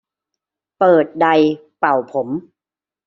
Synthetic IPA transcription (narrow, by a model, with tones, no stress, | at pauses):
pɤː˨˩t̪̚da˧j | pa˨˩wpʰo˩˦m